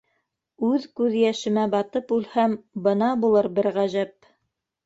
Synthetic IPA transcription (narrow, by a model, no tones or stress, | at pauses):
ʉðkʉðjæʃɘ̆mæbɑt̪ɤpʉlhæmbɤ̆nɑbulˠɤɾbɘɾʁæʒæp̚